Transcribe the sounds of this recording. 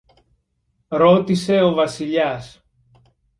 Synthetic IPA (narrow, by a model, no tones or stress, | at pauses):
ɾo̞t̪ise̞o̞vɐsiʎɐs